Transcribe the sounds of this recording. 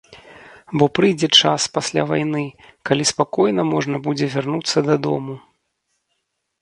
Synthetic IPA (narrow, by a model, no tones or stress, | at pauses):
bɔpɾɨjd͡zʲɛt͡ʂaspasʲlʲa̰vajnɨkalʲispakɔjnɐmɔʐnɐbud͡zʲɛvʲarnut̪sːɐd̪ad̪ɔ̰mu